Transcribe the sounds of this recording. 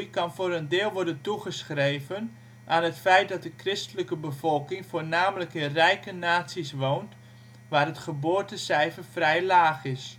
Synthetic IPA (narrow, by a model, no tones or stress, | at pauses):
jkɑnfoːɾəndɪːlˠʋɔrdəntuχəsxrejvən | ʔaːnɦətfɛjt̚dɔt̚dəkrɪstələkəbəvɔlˠkɪŋfoːrnaːmələkɪnrɛjkənaːsisʋownt | ʋaːrətχəboːtəsɛjvəfrɛjlaːχɪs